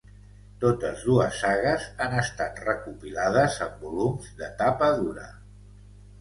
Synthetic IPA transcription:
t̪ot̪əzðuəsːaɣəzanəst̪at̪rəkupilaðəzəmbulumzd̪ət̪apəðuɾə̰

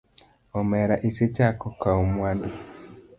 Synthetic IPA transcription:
ɔmɛɾaʔiset͡ʃakɔkaomwando

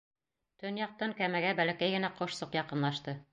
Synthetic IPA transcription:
t̪ɵnjɑq̚t̪ɤŋkæmæɡæbælækæjɡɘ̆næqŏʃsɤqjɑqɤ̆nlˠɑʃt̪ɤ

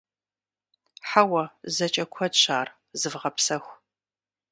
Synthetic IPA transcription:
ħawɐzɐt͡ʃʼɐkʷʰɔdɕaːr | zɨvʁɐpsɐxʷ

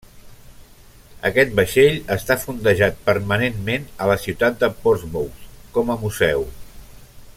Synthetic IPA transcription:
ə̰kɛt̪̚bəʃeʎəst̪afund̪əʒat̪̚pəɾmənenmenələsiwt̪at̪̚d̪əpɔɾzβowskɔməmuzɛw

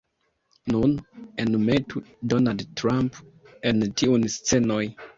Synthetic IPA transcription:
nunɛnumetʰudɔnaldtɹãmp | ɛ̃ntʰiɔnstɛnɔj

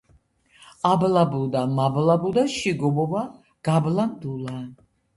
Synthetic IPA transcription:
ablabuld̪amablabud̪aʃiɡɔbɔba | ɡ̥ablamd̪ulan

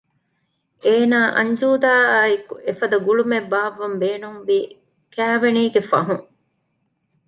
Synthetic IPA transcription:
ʔeːnaːʔɐ̰ɲd͡ʒuːd̪aːaːikuʔefɐd̪ɐɡuɭumebːaːʋːɐmbeːnumʋiː | kæːʋeniːɡefɐ̰ɦuŋ

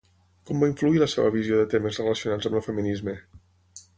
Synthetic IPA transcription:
kɔmbaiɱfluiləseβəβizioðət̪eməzrələsiunad͡zəməlˠfəminizme

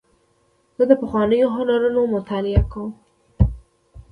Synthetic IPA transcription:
zəd̪əpəxwɑnəjoɦanaɾonomʊt̪ʰalɪakõ

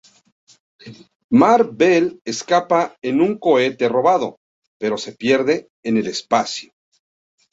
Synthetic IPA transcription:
maɾbeleskapaenuŋko̞e̞t̪e̞ro̞βaðo̞ | pe̞ɾo̞se̞pje̞ɾðe̞ː | ne̞le̞spasjo̥

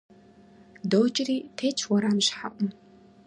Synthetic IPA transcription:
dowt͡ʃʼɪriːtʰeːt͡ʃʰwɔɾaːmɕħa̰ʔʷʊm

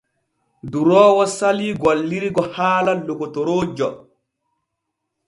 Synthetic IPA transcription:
duɾɔːwɔsaliːɡwalːiɾiɡɔhaːlalːokɔtoɾoːd͡ʒɔ

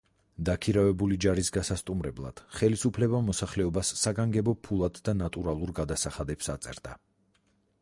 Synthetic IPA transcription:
d̪akʰiɾavɛbulid͡ʒaɾisɡasast̪ʼumɾɛblˠa̰d̪̥χɛlisupʰlɛbamɔsaχlɛɔbasːaɡaŋɡɛbɔpʰulˠad̪ːanat̪ʼuɾalˠuɾɡad̪asaχad̪ɛpsat̪sʼɛ̰ɾd̪a

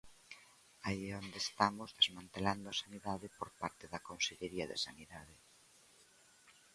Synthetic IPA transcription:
aiɛond̪eːst̪amozðezmãnt̪eland̪oɐasaniðaðɪpoɾpaɾt̪eðɐkonseʎeɾiɐðḛsaniðaðɪ

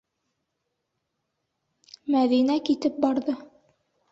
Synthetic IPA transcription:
mæðinækit̪ɘp̚bɑɾðɤ

